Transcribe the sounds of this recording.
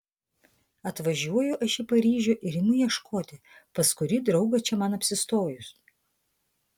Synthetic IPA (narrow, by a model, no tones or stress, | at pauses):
ɐt̪ʋɐʒʲuɔjʊʔɐʃʲɪpɐɾʲiːʒʲʊːʔɪɾʲɪnʊjiɛʃkʰoːt̪ʲɪ | pɐskʊɾʲiːd̪ɾɒʊɡɐt͡ʃʲɛmɐnɐpʲsʲɪst̪oːjʊs